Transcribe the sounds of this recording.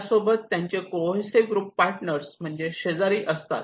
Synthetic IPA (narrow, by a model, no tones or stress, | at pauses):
sobət̪ːjãɲt͡ɕekoseɡɾuːpːaɾʈnəɾsm̤əɳd͡ʑeɕed͡zaɾiːʔəst̪a̰t̪